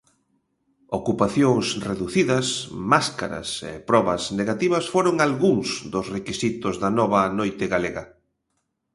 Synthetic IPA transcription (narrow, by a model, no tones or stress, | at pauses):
okupaθjoŋsreðuθiðɐsmaska̰ɾɐ̰sḛpɾɔβɐsneɣat̪iβɐsfoɾoŋalɣuŋsd̪ʊsrekisit̪ʊzðɐnɔβɐnojt̪ɪɣaleɣɐ